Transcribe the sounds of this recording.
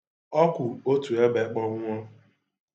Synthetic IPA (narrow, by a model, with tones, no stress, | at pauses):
ɔ˦kʷʊ˨o˦tu˨e˦be˨˦k͡pɔ˦ŋʊ˦ɔ˦